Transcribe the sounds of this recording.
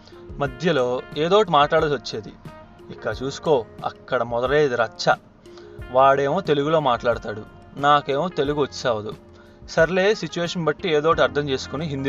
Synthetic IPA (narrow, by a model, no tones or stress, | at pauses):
mɐd̪ʱjɐlo̞ːeːd̪oːʈimaːʈlaːɽɐlʋɐt͡ʃːeːd̪i | ikːɐt͡ʃuːsu̥ko̞ːɐ̰kːɐɽɐmɔd̪ɐɽeːd̪iɾɐt͡ʃɐ | ʋaːɽe̞ːmoːt̪e̞luɡulo̞ːmaːʈlaːɽit̪aːɽu | naːke̞ːmoːt̪eluɡuʋɐt͡ʃːaːʋɐd̪u | sɐɾle̞ːsit͡ʃuʋeːʂɐnbɐʈːieːd̪oːʈ̬iɐɾd̪ʰʱɐmt͡ʃe̞ːsu̥kuniɦind̪i